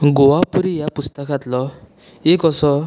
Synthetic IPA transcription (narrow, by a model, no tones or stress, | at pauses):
ɡoʋapuɾijapust̪əkat̪lɔ | ekɔsɔ